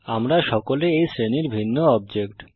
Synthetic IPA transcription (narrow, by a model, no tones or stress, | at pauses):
amɾaʃɔkoleejsɾeniɾbʱinːoɔb̚d͡ʑekʈ